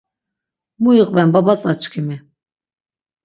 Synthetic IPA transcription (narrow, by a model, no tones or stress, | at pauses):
muiqʼbɛnbabat͡sʼat͡ʃkʰimi